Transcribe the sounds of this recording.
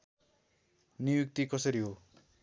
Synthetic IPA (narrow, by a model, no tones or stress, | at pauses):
nijuk̚t̪ikʌsʌɾiɦo